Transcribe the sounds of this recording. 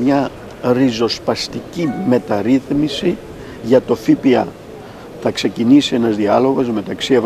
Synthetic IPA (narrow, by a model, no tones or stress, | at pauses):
mɲɐ | ɾizo̞spɐst̪icime̞t̪ɐɾiθmisi | ʝɐt̪o̞fipiɐ̰ | θɐkse̞cinisie̞nɐzðiɐlo̞ɣo̞zme̞t̪ɐksiev